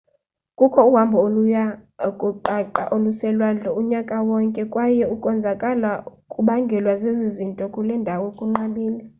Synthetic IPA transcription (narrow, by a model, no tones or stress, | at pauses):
kʼukʰɔuwambʱɔolujakʼuǃaǃaʔolusɛlwand͡ɮʱɔuɲakʼawɔŋkʼɛkʼwajɛukʼwɛnd͡zʱakʼalakʼuɓaŋɡʱɛlwazezizintʼɔkʼulɛndʱawɔkʼuŋ͡ǃaɓiːlɛ